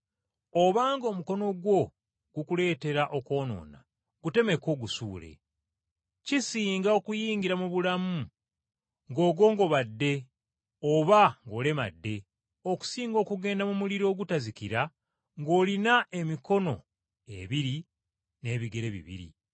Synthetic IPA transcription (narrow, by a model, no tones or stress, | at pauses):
o̞βaːŋɡo̞ːmuko̞no̞ɡwo̞ | ɡ̥ukule̞ːte̞ɾaʔo̞ko̞ːno̞̰ːna̰ | ɡ̥ute̞me̞koɡusuːle̞̰ | cisiːŋɡao̞kujiːɲɡiɾamuβulamu | ŋɡo̞ːɡo̞ːŋɡo̞βadːe̞ | oβaŋɡo̞ːle̞ma̰dːe̞ | o̞ku̥siːŋɡo̞ːkuɡe̞ːndamumuliɾo̞ːɡutazikiɾa | ŋɡo̞ːlinaʔe̞miko̞no̞̰ | e̞̰βiɾi | ne̞ːβiɡe̞ɾe̞βḭβḭɾḭ